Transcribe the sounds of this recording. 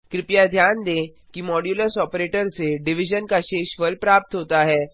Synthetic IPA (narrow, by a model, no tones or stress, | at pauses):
kɾɪpjad̪ʱjaːnd̪ẽː | kimɔːɖjuːləsɔːpɾeːʈəɾseɖɪʋɪʒənkaʃeːʃʋəlpɾaːp̚t̪ɦoːt̪aɦɛː